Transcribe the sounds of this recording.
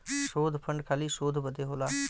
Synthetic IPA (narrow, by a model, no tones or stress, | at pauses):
ʃoːd̪ʱpʰəɳɖkʰaːliːʃoːd̪ʱbəd̪eɦoːlaː